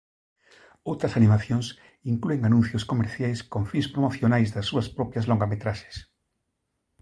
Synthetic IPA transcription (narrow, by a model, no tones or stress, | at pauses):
owt̪ɾɐsanĩmaθjõŋs | iŋklueŋanũn̟θjoskomeɾθjajskõɱfĩnspɾomoθjonajzðɐsːuɐspɾɔpjazloŋɡamet̪ɾaʃe̥s